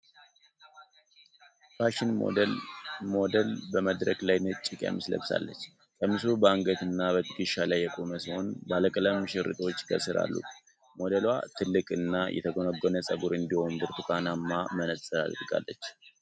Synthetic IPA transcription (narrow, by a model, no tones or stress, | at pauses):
baʃɪn̰ | mo̞d̪əlbəməd̪ɾəɡlajnɨt͡ʃʼːikʼja̰mɨslə̰βsa̰lːə̰t͡ʃː | kʼəmɨsubəaŋɡət̪ɨnːaβət̪ʰɨkiʃalajːɛkʼoməsiho̞nbaləkʼələmɨʃɪɾɨ̰t̪ʼo̞t͡ʃːkʰəsɨɾa̰lːṵ | mo̞d̪əlwat̪ʰɨlːɨkʼɨnːajʔɛ̰t̪ʰəɡo̞nəɡːonəsʼəɡuɾɨnd̪iho̞nbɨɾt̪ʰukʰʼanamːamənəsʼɨɾa̰lɾɨkʼa̰lːət͡ʃː